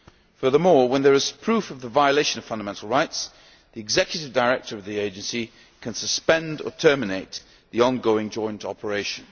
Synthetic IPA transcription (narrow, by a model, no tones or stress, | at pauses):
fɜ˞ðəmɔːɹwə̃nðə˞ɨz̥pʰɹ̥ʉfəvðəvaɪəleɪʃə̃nəv̥fʌ̃ndəmɛ̃ntˡl̩ˠɹaɪts | ðiɨɡzɛkʰjəɾɪvdəɪɹɛk̚tʰə˞ʌvðieɪd͡ʒɨ̃nsi | kʰə̃nsəspɛ̃ndə̰tʰɜ˞mɪneɪʔ̪ | ðiɑ̃nɡoʊɪ̃ŋd͡ʒɔ̃ɪ̃ntʰɒ̰pʰəɹeɪʃə̃n